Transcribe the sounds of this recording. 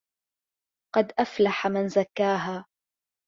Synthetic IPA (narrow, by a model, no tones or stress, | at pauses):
qɑd̪ʔaflaħamanzakːaːɦaː